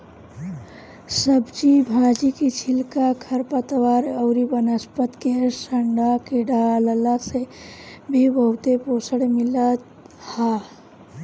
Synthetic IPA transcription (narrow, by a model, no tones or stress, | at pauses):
səbd͡ʒibʱad͡ʒikit͡ʃʰilkakʰəɾpət̪ʋaɾəʊɾibənəspət̪kesəɳɖakiɖaləlasebʱebəɦut̪eposəɽemilət̪ | ha